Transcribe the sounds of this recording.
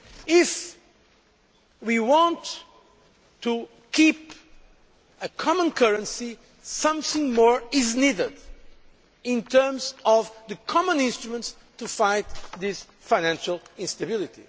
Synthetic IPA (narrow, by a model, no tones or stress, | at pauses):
ɪf | wiwɑ̃nt | u | kʰip | ɨkʰɑmə̃nkʰəɹɨ̃nsi | sʌ̃mθɪ̃ŋmɔɹɪznidəd | ɪ̃ntʰɜ˞mzɔvðɨkʰɑmə̃nɪ̃nstɹumə̃nts | tufaɪt̪ðɪs | faɪnæ̃nʃəlˠɪ̃nst̪əbɪlˠit̪i